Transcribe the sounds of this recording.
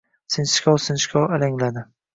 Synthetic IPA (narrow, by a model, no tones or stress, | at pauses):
sɪnʃkʲʰɒwsɪnʃkʰʲɒwalaŋlad̪ɪ